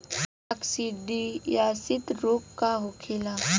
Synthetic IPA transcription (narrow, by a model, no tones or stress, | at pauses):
ɐksiɖijasɪt̪ɾoːp̚kaɦokʰɪla